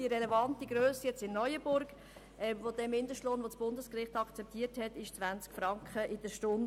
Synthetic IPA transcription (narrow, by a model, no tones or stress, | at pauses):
diəɾɛlɛvɑntiɡɾøːsəjɛt͡sɪnːɔjəbʊɾɡ̥ | ʔɛʋod̥ɛmːɪndəʃtloːnʋot͡sb̥ʊndəskrɪχtɑkt͡sɛp̚tʰiːəɾthɛtɪʃt͡sʋænt͡skfɾɑŋkχəʔɪdəʃtʊn